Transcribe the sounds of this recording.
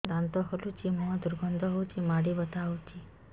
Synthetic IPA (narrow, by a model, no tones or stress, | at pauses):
d̪ant̪ɔɦɔlut͡ʃimɔ̃d̪uɾɡʱɔnd̪ʱɔɦɔwt̪ʰimaɽibət̪awt̪ʰi